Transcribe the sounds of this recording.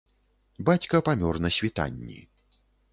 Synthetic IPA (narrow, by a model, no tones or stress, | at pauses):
bat͡sʲkɐpamʲɔrnɐsʲvʲit̪a̰nʲːḭ